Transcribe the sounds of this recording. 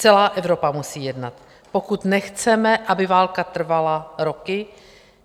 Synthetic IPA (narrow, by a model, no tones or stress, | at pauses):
t͡sɛlaːʔɛvɾo̞pamusiːjɛdnat̪ | po̞kut̪nɛxt͡sɛmɛʔabɪvaːlkat̪r̩valaɾo̞kɪ